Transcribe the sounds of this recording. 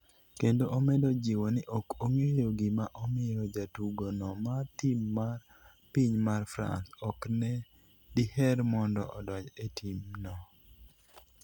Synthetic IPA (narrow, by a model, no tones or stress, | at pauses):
kendoʔomɛdod͡ʒiwɔnɪʔɔkoŋejoɡɪmaʔɔmɪɾɔd͡ʒatuɡonɔmatimːa | piɲmarfɾa̰nt̪ɔknɛ | dihɛɾmɔndɔʔɔdɔd͡ʒetʰimnɔ